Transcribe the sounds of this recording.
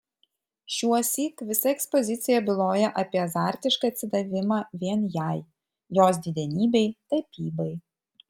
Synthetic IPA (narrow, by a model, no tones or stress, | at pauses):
ʃʲuɔsʲiːkʋʲɪsɐɛkspɔzʲɪt̪sʲɪjɛbʲɪlˠoːjɛʔɐpʲiɛɐzɑˑɾʲt̪ʲɪʃkɐːɐt̪ʲsʲɪd̪ɐʋʲɪmɑːʋʲiɛnjæˑj | joːs̬d̪ʲɪd̪ʲɛnʲiːbʲɛɪt̪ɐpʲiːbɐɪ